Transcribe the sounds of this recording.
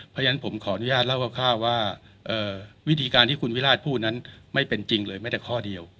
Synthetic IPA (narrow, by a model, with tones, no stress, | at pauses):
pʰja˧na˦˥npʰo˩˦mkʰɔː˩˦ʔa˧nu˦jaː˥˩la˥˩wkʰa˥˩kʰaː˥˩waː˥˩ | ʔɤː˨˧˩wi˦˥t̪ʰiː˧kaː˧nt̪ʰiː˥˩kʰu˧nwi˦˥laː˥˩t̪̚pʰuː˥˩t̪̚na˦˥nma˥˩jpe˧nt͡ɕi˧ŋlɤː˧jma˥˩t̪ɛː˧˩kʰɔː˥˩di˧əw